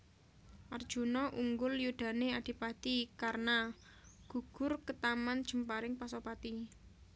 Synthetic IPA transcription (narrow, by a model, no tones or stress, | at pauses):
ʔard̥ʒ̥ṳnɔʔuŋɡʊljud̪̥a̤nead̪̥i̤pat̪ikarna | ɡ̥ṳɡ̥ʊrkət̪amand̥ʒ̥ə̤mpaɾɪŋpasopat̪i